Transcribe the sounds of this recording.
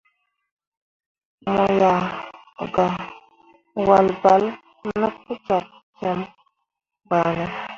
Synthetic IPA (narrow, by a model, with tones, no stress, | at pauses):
mɔ˨ja˨ | ɡa˨ | wa˨lba˨˦l | nə˦p̚u˦t͡ʃɔ˨p̚ | t͡ʃɛ˨˦m | ba˨nə˨˦